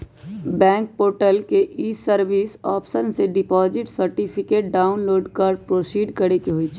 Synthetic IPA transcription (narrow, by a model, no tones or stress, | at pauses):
bɛ̃ːŋk̚poːɾʈəlkeʔiːsəɾʋiːsɔːpsənseɖɪpɔːzɪʈsəɾʈipʰɪkeːʈ̚ɖaːʊnloːɖkəɾpɾoːsiːɖkəɾekeɦoit͡ʃʰi